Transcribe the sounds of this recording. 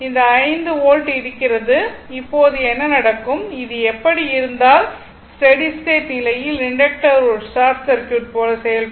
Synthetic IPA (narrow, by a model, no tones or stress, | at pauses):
ɪnd̪ɐːɪnd̪ɯoːɻʈɯɪɾɯkːɪɾɐðɯɪpːoːɐðɯɛnːɐnɐɽɐkːɯmɪðɯɛpːɐɽiɪɾɯnd̪aːl | sʈɐɽisʈeːʈnɪlɐjɪlɪɳɖɐk̚ʈɐɾosʈaːɾʈsɐɾkjuːʈ̚poːlɐsɛjɐl